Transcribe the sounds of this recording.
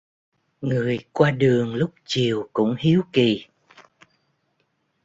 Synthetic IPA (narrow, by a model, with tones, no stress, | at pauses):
ŋɨ˨˩əjkwaː˧ɗɨ˨˩əŋlʊ˦˥k͡p̚t͡ɕi˨˩əwkʊ̰˧˥ŋ͡mhi˨˦əwki˨˩